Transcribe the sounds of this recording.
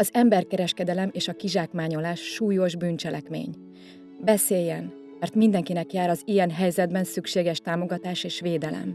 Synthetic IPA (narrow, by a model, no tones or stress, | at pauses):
ɒzɛmbɛrkɛɾɛʃkɛd̪ɛlɛmeːʃɒkiʒaːkmaːɲo̞laːʃːuːjo̞ʒbyːnt͡ʃɛlʔɛ̰kmḛːɲ | bɛseːjːɛn | mɛrt̪mind̪ɛŋkinɛkjaːɾɒzijɛnɦɛjzɛd̪bɛnsykʃeːɡɛʃt̪aːmo̞ɡɒt̪aːʃeːʃʋeːd̪ɛlɛ̰m